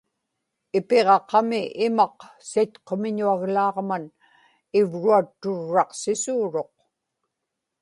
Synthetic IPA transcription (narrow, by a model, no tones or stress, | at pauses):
ɪpe̞ʁɑqɑmɪʔɪmɑqsit̪qomɪɲuaɣlɑːʁman | ɪvɻuat̪ːʊɻːɑqsɪsuːɻo̞q